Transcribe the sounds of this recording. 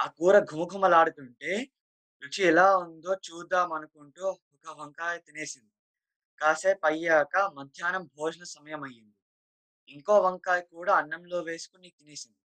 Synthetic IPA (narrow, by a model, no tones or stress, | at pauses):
akuːɾɐɡʱumɐɡʱumɐlaːɽut̪uɳʈe̞ː | ʋit͡ʃiɛlaːund̪o̞ːt͡ʃuːd̪aːmɐnukuɳʈuːhukɐʋɐŋkaːjɐt̪ineːsind̪i | kaːseːpɐjːaːkɐmɐd̪ʱjaːnɐmbʱoːd͡ʒɐnɐsɐmɐjɐmɐjːind̪i | iŋko̞ːʋɐŋkaːjkuːɽaːɐɳːɐmlo̞ːʋe̞ːsu̥kuniːt̪ineːsind̪i